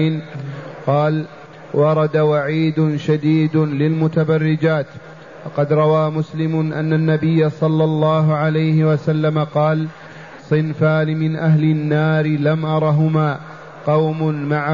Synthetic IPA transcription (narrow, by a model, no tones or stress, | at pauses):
nqɑːl | wɑɾˤɑd̪awaʕiːd̪ʊʃad̪iːd̪ʊlɪlmʊt̪abɑrːɪd͡ʒaːt̪ | wɑqɑd̪ɾˤɑwaːmʊslɪmʊʔa̰nːanːabɪjːasˤɑlːɑlˤːɑːɦʊʕalajhɪwasalːamaqɑːl | sˤɨnfaːnɪmɪnʔaɦlɪnːaːɾɪlamʔɑɾˤɑɦʊmaː | qɑwmʊnmaʕa